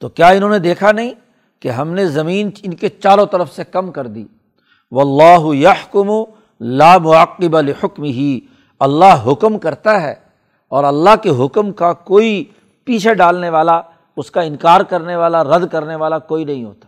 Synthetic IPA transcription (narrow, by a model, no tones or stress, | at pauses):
t̪oːkjaːɪnɦõːned̪eːkʰanɐɦĩː | keɦɐmnezɐmiːnɪnket͡ʃaːɾõt̪ɐɾəfsekɐmkɐɾd̪ḭː | ʋɐlːaːɦʊjɐħkʊmʊ | laːmʊaqːɪbalɪħʊkmɪɦi | ɐlːaɦɦʊkmkɐɾt̪aɦɛ̰ː | ɔːɾɐlːaɦkeɦʊkmkakoːi | piːt͡ʃʰeɖaːlneʋaːla | ʊskaɪ̃nkaːɾkɐɾneʋaːlaɾɐd̪kɐɾneʋaːlakoːinɐɦĩɦo̰ːt̪ḁː